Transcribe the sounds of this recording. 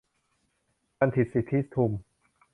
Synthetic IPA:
ka˧nt̪ʰi˨˩si˨˩t̪ʰːi˦˥t̪ʰu˧m

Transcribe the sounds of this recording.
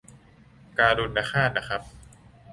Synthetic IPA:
kaː˧duː˧n̚na˦˧˥xʰaː˥˩n̚na˦˥kʰɾa˦˥p̚

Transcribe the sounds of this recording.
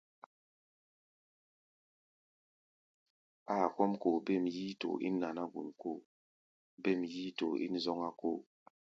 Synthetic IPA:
a˨kɔ˦mko˨be˦˨mji˦to̰˨ʔḭ˦nːa˨na˦ɡṵ˨nko˦˨ | be˦˨mji˦to̰˨ʔḭ˦n˦zɔ˦ŋa˦ko˦˨

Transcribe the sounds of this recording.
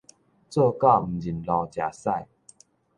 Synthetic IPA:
t͡sə˥˧ka˥˧˨m̩˨˩d͡ʑi˨˩nlɔ˧˩t͡ɕja̰˨˩sa˥˧˨j

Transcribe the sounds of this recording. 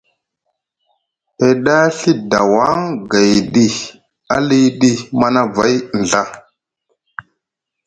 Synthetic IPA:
e˨ɗa˦ɬi˦da˨wa˦ŋɡa˨jɗi˦ | a̰˦li˦ɗi˦ma˦na˦va˦jn˨ɮa˦˨

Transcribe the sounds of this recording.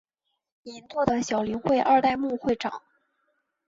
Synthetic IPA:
i˧˥nt̪wɔ˥˩d̪ə˩ɕjɑ˨˩ʊli˧˥ŋxwe˥˧ɪʔa˥˧t̪a˥˧ɪmu˥˧xwe˥˩ɪʈ͡ʂɑ̰˨˩˦ŋ

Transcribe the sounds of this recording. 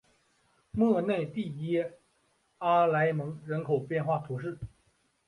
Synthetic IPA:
mɤ˥˧ne˥˧ɪt̪i˥˩jɛ˥ | a˥la˧˥ɪmɤ˧˥ŋɻə˧˥nkʰo˨˩ʊpjɛ˥˧nxwa˥˩t̪ʰu˧˥ʂ̬ɻ̩˥˩

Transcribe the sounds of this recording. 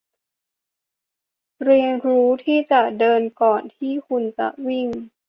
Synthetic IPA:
ɾi˧əŋɾuː˦˥t̪ʰiː˥˩t͡ɕa˨˩ʔdɤː˧nkɔː˨˩nt̪ʰiː˥˩kʰu˧nt͡ɕa̰˨˩ʔwi˥˩ŋ

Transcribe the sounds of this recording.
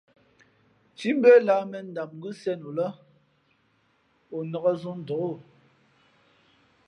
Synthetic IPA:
t͡ʃi˦m̩˦bɛ˦la˨˦mɛ˨n̩˦˨da˨mɡʉ˦sɛ˦no˨lɔ˦ | o˨nɔ˨ɣɔ˦zu˦n̩˨dɔ˨o˦˨

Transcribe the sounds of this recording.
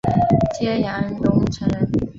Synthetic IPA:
t͡ɕjɛ˥ja˧˥njʊ˧˥ŋʈ͡ʂʰə˧˥n

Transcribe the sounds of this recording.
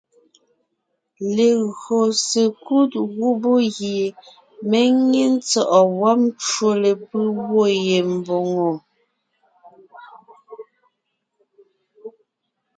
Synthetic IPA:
le˨ɣɰo˨se˨ku˦t̚ɣu˦bo˦ɣje˨ | me˦ŋe˦n̩˦t͡sɔ˨ʔɔ˨wa˦pt͡ʃwo˦le˨pɯ˦wo˦˨je˨m˨bo˨ŋo˨

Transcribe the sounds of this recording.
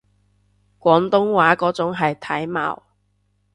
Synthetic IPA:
kʷɔː˨˥nt̪ʊ˥ŋwaː˨˥kɔː˨˥t͡sʊ˨˥ŋɦɐ˨jt̪ʰɐ˨˥jma̰ː˨˩w

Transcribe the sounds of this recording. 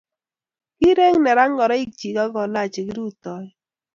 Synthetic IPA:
ki˦ɾe˦ŋnɛ˨ɾa˦ŋɡɔ˨ɾɔ˦i˦k̚t͡ʃi˨ɡa˦ɡɔ˨la˦˨t͡ʃe˨ɡi˦ɾu˦˨t̪ɔ˨˦j

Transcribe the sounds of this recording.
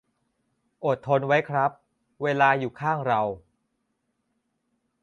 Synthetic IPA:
ʔo˨˩t̪ʰːo˧nwa˦˥jkʰɾa˦˥p̚ | weː˧laː˧juː˨˩kʰaː˥˩ŋɾa˧w

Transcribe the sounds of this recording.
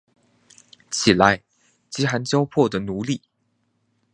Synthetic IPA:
t͡ɕʰi˨˩la˧˥ɪ | t͡ɕi˧˥xa˧˥nt͡ɕjɑ˥ʊpʰwɔ˥˩d̪ə˩nu˧˥li˥˩

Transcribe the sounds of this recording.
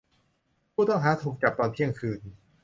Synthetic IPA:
pʰuː˥˩t̪ɔ˥˩ŋɦaː˨˥t̪ʰuː˨˩k̚t͡ɕa˨˩p̚t̪ɔː˧npʰi˥˩əŋkʰɯː˧n

